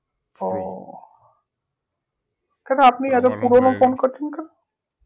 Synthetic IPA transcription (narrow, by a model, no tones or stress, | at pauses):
o | kɛnoapniɛt̪̬opuɾonofonkoɾt͡ɕʰenkɛno